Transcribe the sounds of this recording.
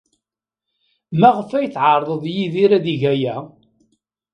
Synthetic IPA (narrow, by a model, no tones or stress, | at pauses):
mæʁəfæjθʕaɾˤðˤəðˤjiðiɾæðiʝæjæ